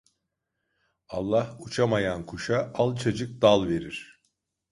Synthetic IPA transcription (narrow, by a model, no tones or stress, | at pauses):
alˠːahut͡ʃʰamajankʰuʃaalˠt͡ʃʰad͡ʒɯk̚d̪alˠve̞ɾiɾ̥